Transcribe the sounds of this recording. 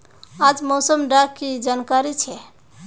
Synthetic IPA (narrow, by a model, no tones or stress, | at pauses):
ad͡ʒmosəmɖakkid͡ʒankaɾit͡ʃʰɛ